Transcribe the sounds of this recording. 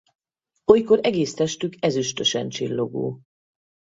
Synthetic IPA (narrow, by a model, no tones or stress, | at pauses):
ojkoɾɛɡeːst̪ɛʃt̪ykɛzyʃt̪øʃɛ̰nt͡ʃilːo̞ɡo̰ː